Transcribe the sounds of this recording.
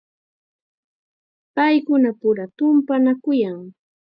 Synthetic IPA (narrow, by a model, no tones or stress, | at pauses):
pajkʊnapʊɾat̪ʊmpanakʊjaŋ